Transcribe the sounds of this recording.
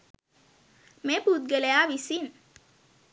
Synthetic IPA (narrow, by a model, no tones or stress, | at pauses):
mepud̪̚ɡelejaːʋisin